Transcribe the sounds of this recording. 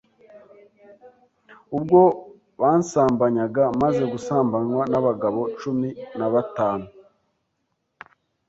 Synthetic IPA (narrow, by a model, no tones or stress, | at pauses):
ub̚ɡo̞ | βaːnsaːmbaɲaɡamaze̞ɡusaːmbaɲwanaβaɡaβo̞t͡ʃuminaβataːnu